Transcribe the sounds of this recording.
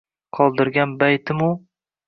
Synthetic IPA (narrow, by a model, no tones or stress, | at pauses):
qʰɒlˠd̪ɪɾɡʲanbajt̪ʰɪmʊ